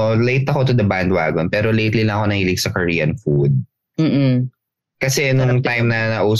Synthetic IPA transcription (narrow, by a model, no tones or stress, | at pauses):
lejt̪ɐko̞t̪ʊd̪ɐband̪wa̰ːɡonpɛːɾolejt̪lilɐŋɐko̞nɐhiːlɪɡ̚sɐkɐɹiːjɐnfud̪̚ | m̩ː | kɐsɛnʊŋt̪ajmnɐnɐʔuː